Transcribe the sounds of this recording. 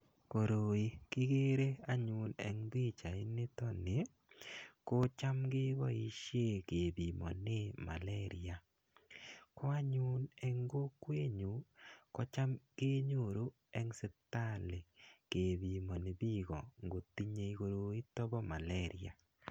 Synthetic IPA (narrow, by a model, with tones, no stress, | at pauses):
ko˨ɾo˨i˨kɪ˦ɡe˦ɾe˦a˦ɲʊ˨nɛ̰˨˦ŋbi˦t͡ʃa˨ɪ˦nɪ˦tɔ˦nɪ˨ | ko˦t͡ʃa˦mɡɪ˦ɡɔ˦ḭ˨ʃje˦˨ke˨bi˨mɔ˨nɪ˦ma̰˨lɛ˦ɾɪ˦a˨ | kɔ˦a˦ɲʊ˦nɛ˨ŋɡo˦kwe˦ɲu˨kɔ˦t͡ʃa˦mɡe˦ɲo˦˨ɾu˦ | ɛ˦ŋsɪ˦ta˦˨le˨ke˨bi˨mɔ˨nɪ˨bi˦ɡɔ˨ŋɡo˨ti˦ɲe˨i˦ko˨ɾo˨i˦tɔ˦bɔ˦ma˨lɛ˦ɾɪ̰˦a̰˨